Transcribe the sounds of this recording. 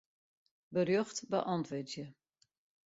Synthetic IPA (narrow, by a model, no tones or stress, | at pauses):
bərjøχtbəʔɑntʋətjə